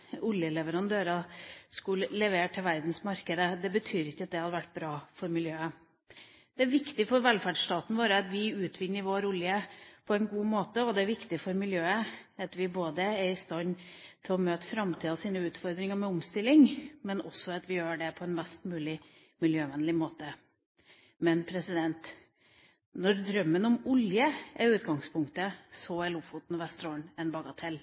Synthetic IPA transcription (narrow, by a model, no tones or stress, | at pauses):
ʊljəlɛʋəɾɑnd̪øːɾɑskʉllɛʋeːʈʰɪlʋæɾd̪n̩smɑɾkəd̪əd̪ɛbət̪ʰyːɾɪçːəɑt̪̚d̪ɛhɑd̪əʋæʈːbɾɑːfɔɾmɪljøːə | d̪̥ɛæɾʋɪkt̪ɪfɔɾʋɛlfæɖʂʈ̪ɑːt̪n̩ʋoːɾəɑt̪ʋɪʉːt̪ʰʋɪnːəɾʋoːɾʊljəpʰɔɛnɡuːmoːt̪əɔd̪ɛæɾʋɪkt̪ɪfɔɾmɪljøːəɑt̪ʋɪboːd̪əæɾɪst̪ɑnt̪ʰɪlɔmøːt̪fɾɑmt̪ʰiːɑsiːnəʉːt̪fɔɾd̪ɾɪŋəmɛʊmst̪ɪlːɪŋmɛnɔ̰sːɔɑt̪ʋɪjøːɖɛpʰɔɛnmɛst̪mʉːlɪ | mɪljøːʋɛnlɪmoːt̪ə | mɛnpʰɾɛsɪd̪ɛnt̪ | nɔɾd̪ɾœmːənɔmʊljəʔɛɾʉːt̪ɡɑŋspʰʊŋkt̪əsɔɛlufʊt̪n̩ɔʋɛst̪ɾoːɳɛnbɑɡɑt̪ʰɛl